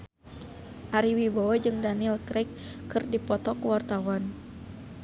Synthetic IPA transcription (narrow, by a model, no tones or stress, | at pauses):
ʔaɾiwibawad͡ʒɨŋdanilkɾɛkːɨrdipɔt̪ɔkəwart̪awan